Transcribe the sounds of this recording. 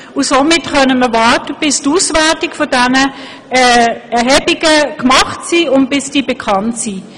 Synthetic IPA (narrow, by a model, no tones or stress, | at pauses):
ʊsomɪtχœnəməvɑrtəb̥ɪstuːsvɛɐtɪkfɔdɛnə | ɛɛɐɦɛbiɡ̥əkmɑχtsiːʊnt̚b̥ɪsd̥iːbɛkʰɑntsiː